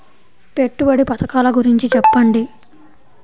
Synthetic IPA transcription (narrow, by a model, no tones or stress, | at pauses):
pe̞ʈːubɐɽipɐt̪ɐkaːlɐɡuɾiɲt͡ʃit͡ʃɛpːɐɳɖi